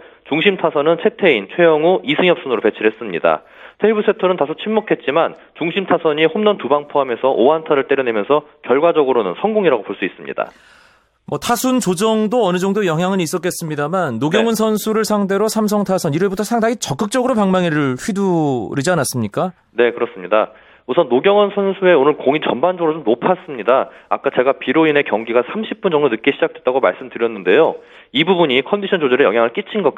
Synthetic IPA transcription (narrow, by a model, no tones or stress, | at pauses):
t͡ɕuŋɕʰimtʰasʰʌnɯnt͡ɕʰe̞tʰe̞int͡ɕʰwe̞jʌŋuisʰɯŋjʌp̚s͈ʌnɯɾope̞t͡ɕʰiɾɦe̞s͈ɯmɲḭda̰ | tʰeibusʰe̞tʰʌnɯntasʰot͡ɕʰinmokʰe̞t̚t͡ɕ͈iman | t͡ɕuŋɕʰimtʰasʰʌɲihomnʌntubaŋpʰoame̞sʰʌʔoantʰaɾɯɭt͈e̞ɾjʌne̞mjʌnsʰʌkjʌɭɡwad͡ʑʌɡɯɾonɯ̰nsʰʌŋɡoŋiɾaɡopoɭs͈uis͈ɯmɲḭda̰ | mʌtʰasʰunt͡ɕod͡ʑʌŋdoʌnɯd͡ʑʌŋdojʌŋɦjaŋɯnis͈ʌk͈ʰe̞s͈ɯmɲidamanːoɡjʌŋɯnsʰʌnsʰuɾɯɭsʰaŋde̞ɾosʰams̬ʰʌŋtʰasʰʌniɾebutʰʌsʰaŋdaŋit͡ɕʌk͈ɯk̚t͡ɕ͈ʌɡɯɾopaŋmaŋiɾɯɭɸɥiduɾid͡ʑianas͈ɯmɲik͈a | ne̞kɯɾʌs͈ɯmɲida | usʰʌnːoɡjʌŋɯnsʰʌnsʰue̞onɯɭkoŋit͡ɕʌnband͡ʑʌɡɯɾot͡ɕomnopʰas͈ɯmɲidaa̰k͈at͡ɕe̞ɡapiɾoine̞kjʌŋɡiɡasʰamɕʰip̚p͈und͡ʑʌŋdonɯk͈eɕʰid͡ʑak̚t͈we̞t͈aɡoma̰ɭs͈ɯmdɯɾjʌnːɯnde̞jo | ibubuɲikʰʌndiɕʰʌnd͡ʑod͡ʑeɾɯɭjʌŋɦjaŋɯɭk͈it͡ɕʰinɡʌk